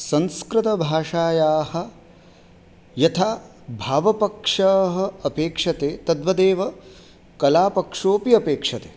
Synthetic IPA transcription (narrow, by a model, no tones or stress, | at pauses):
sɐnskɾɪt̪ɐbʱaːʂaːjaːhɐ̆ | jɐt̪ʰaː | bʱaːʋɐpɐkʂɐɦɐ̆ɐpeːkʂɐt̪eːt̪ɐd̪ʋɐd̪eːʋɐ | kɐlaːpɐkʂoːpiɐpeːkʂɐt̪e̥ː